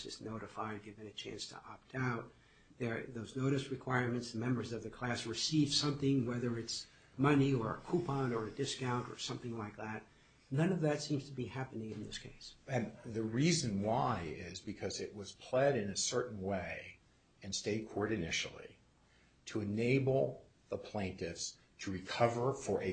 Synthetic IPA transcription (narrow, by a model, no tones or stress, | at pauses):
sɨ̰znoʊɾɨfaɪd̚ɡɪvɨ̃ŋɨt͡ʃʰæ̰̃nstʰə̰ʔɑp̚tʰaʊt̪̚ | ðə˞ðoʊznoʊɾɨs̚ɹɨkʰw̥aɪɹmɨ̃ntsðɨmɛ̃mbə˞zʌvðɨkʰl̥æsɹɨsiv̥sʌ̃mθɪ̃ŋwɛðə˞ɨts | mʌniə˞kʰupʰɑ̃nə˞ɨdɪskãʊ̃ntə̰˞sʌ̃mθɪ̃ŋlaɪk̚ðæt̚ | nʌ̃nʌvðɨtsĩmz̥tʰəbihæpɨnɪ̃ŋɨ̃nðɪ̰skʰḛɪsɨ̃nðɨɹizɨ̃nwaɪɪzbɨkʰʌzɨʔ̚wʌz̥pʰl̥ɛɾɨ̃nɨsɜ˞ʔn̩weɪ | ɨ̃nsteɪt̚kʰɔɹɾɨnɪʃl̩ˠḭ | ɾʰəɨneɪbl̩ˠ | ðəpʰl̥ẽɪ̃ntɪfs | tʰɨɹikʰʌvə˞fə˞ʔɨ